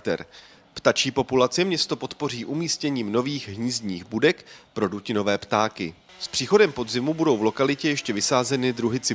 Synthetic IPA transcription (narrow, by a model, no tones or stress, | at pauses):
kt̪ɛ̰ɾ | pt̪at͡ʃiːpo̞pulat͡sɪmɲɛst̪o̞po̞t̪po̞riːʔumiːscɛɲiːmno̞viːxɦɲiːzɲiːɣbudɛkpɾo̞ducɪno̞vɛːpt̪aːkɪ | spr̝̥iːxo̞dɛmpo̞d̪zɪmubudo̞wvlo̞kalɪcɛjɛʃcɛvɪsaːzɛnɪd̪ɾuɦɪt͡sɪ